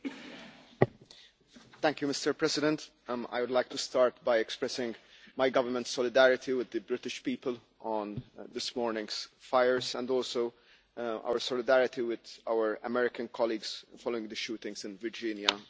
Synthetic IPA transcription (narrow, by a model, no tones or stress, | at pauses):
t̪æ̃ŋkjumɪstə˞pɹɛsɪdɛ̃nt̪ | a̰jwʊd̪laɪk̚t̪ust̪ɑːɹt̪bajɛkspɹɛsɪ̃ŋɡ | majɡʌvəmə̃ntsɔlɪd̪æɹɪt̪iwɪd̪ːəbɹɪt̪ɪʃpiːpəl | ʔɔ̃nd̪ɪsmɔːɹnɪ̃ŋz̥faɪəɹzɛ̰̃ndɔːlsoʊ | ʔa̰wəsɔlɪd̪æɹɪt̪iwɪd̪a̰ʊəɹə̰mɛɾɪkə̃nkʰɔliːɡz̥fɔloɪ̃ŋɡd̪əʃuːt̪ɪ̃ŋɡzɪ̃nvɪɹd͡ʒɪ̃njə